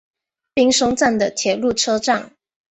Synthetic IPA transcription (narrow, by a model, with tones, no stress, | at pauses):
pi˥ŋʂo˥ŋt͡sa˥˩nd̪ə˨t̪ʰjɛ˨˩lu˥˩ʈ͡ʂʰɤ˥ʈ͡ʂɑ˥˩ŋ